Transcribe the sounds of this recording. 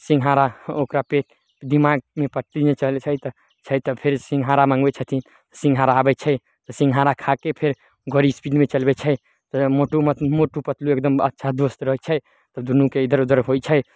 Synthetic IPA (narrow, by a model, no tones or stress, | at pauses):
sĩŋɡʱɦaɾaokɾapeʈ | d̪imaɡ̚mepəʈlinet͡ʃəlt͡ʃʰət̪ɔ | t͡ʃʰəjt̪ɔpʰeɾsĩŋɡɦaɾamãŋɡbɛt͡ʃʰət̪ʰi | t̪ɔ̥sĩŋɡʱɦaɾaːbɛt͡ʃʰə | t̪ɔsĩŋɡʱɦaɾakʰakepʰeɾ | ɡəɾispiɖmet͡ʃəlbɛt͡ʃʰɛ | t̪ɔmoʈumət̪moʈupət̪luekd̪əmə̰tːʃʰad̪ost̪ɾəɦɛt͡ʃʰɛ | t̪ɔd̪unukeid̪əɾud̪əɾɦot͡ʃʰə